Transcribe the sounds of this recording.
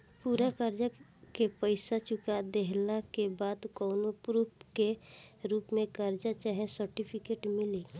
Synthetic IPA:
puːɾakəɾd͡ʒəkepəɪsat͡ʃʊkad̪eɦlakebaːd̪kɔːnopɾuːpkeɾuːpmẽkəɾd͡ʒat͡ʃaɦẽsəɾʈipʰɪkeːʈmɪliː

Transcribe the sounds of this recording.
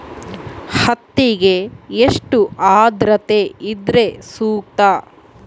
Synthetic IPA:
hɐt̪ːiɡeeʂʈuʔaːd̪ɾɐt̪eid̪ɾe̞suːk̚t̪a

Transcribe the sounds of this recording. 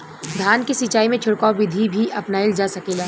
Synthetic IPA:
d̪ʱjaːnkisɪt͡ʃaːimẽt͡ʃʰʊɽkaobɪd̪ʱibʱiʔɐpnaild͡ʒaːsɐkeːlaː

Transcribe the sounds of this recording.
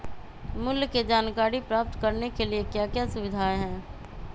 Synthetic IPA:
mʊlked͡ʒaːnkaːɾipɾaːp̚t̪kɐɾnekeliekjaːkjasʊʋɪd̪ʱaːeɦɛ̃ː

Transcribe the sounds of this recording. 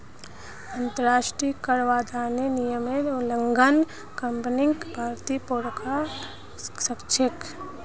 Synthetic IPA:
ɐ̃nt̪əɾaːʃʈɾikəɽʋad̪ʱaːnenijəmeʊləŋɡan | kɐmpnɪŋɡbʱaːɾt̪ipoɽka | səkt͡ʃʰek

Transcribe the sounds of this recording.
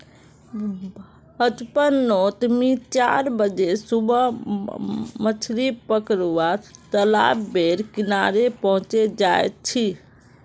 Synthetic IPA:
ət͡ʃpənːot̪mit͡ʃa̰ɾbəd͡ʒesubə | mət͡ʃʰɾipəkɾuat̪əla̰bbeɾkinaɾepəɦũt͡ʃed͡ʒaet̪̚t͡ʃʰi

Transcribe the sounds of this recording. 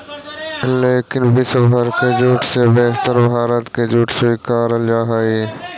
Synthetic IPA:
leːkɪnbɪsbʱəɾkeːd͡ʒuːʈʰseːbeːɦt̪əɾbʱaːɾət̪keːd͡ʒuːʈʰsoikaːɾəljaːɦaiː

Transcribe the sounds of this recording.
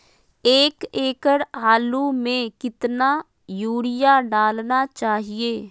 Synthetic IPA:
eːkeːkəɾaːlumẽkɪt̪na | juːɽɪjaɖaːlnat͡ʃaːɦieː

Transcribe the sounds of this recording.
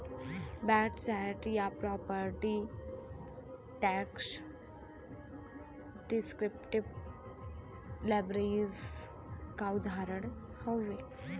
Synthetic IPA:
bɛʈsɛʈjapɾɔpəɾʈi | ʈɛks | ɖiskɾip̚ʈib | lajbɾəɾiz | kaud̪ʱaɾəɽ̃ | həwːe

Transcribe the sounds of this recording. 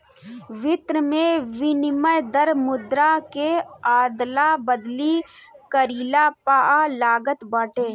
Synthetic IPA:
ʋɪt̪ɾəmẽʋɪnɪməjd̪əɾmʊd̪ɾakeaːd̪labəd̪likəɾiːlapaːalaːɡət̪bəːʈeː

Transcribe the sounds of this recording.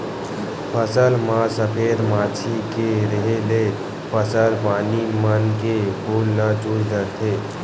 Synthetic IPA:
pʰəsəlmasəpʰed̪mat͡ʃʰikeɾəɦele | pʰəsəlpaːnimənkebolːəd͡ʒuɾd̪əɾt̪ʰe

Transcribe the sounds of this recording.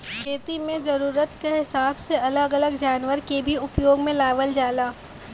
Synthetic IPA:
kʰeːt̪imẽzɐɾuːɾət̪keɦɪsaːbseɐləɡɐləɡd͡ʒaːnʋəɾkebʱiʊpjoːɡmẽlaːʋəld͡ʒaːlaː

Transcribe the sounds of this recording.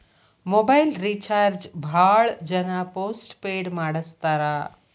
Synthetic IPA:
mobajlɾit͡ʃaːɾd͡ʒbʱaːɭd͡ʒɐnapoːsʈpeːɽmaːɽəst̪aɾa

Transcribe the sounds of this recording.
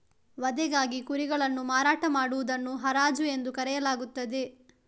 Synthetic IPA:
ʋɐd̪ɛɡaːɡikuɾiɡɐɭɐnːumaːɾaːʈɐmaːɽuʋud̪ɐnːuɦɐɾaːd͡ʒue̞nd̪ukɐɾɛjɐlaːɡut̪ːɐd̪e̞

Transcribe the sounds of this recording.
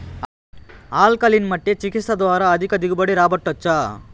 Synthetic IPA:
aːlkɐlinmɐʈːet͡ʃikit̪sɐd̪ʋaːɾɐːd̪ʱikɐd̪iɡubɐɽiɾaːbɐʈːɐt͡ʃːaː

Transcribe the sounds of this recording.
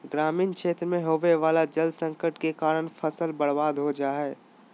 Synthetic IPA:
ɡɾaːmiːnkʃeːt̪ɾmẽɦoːʋeʋaːlad͡ʒɐld̪sə̃ŋkəʈkekaːɾəɽ̃fʰəsəlbɐɽbaːd̪ɦod͡ʒaːɦɛː

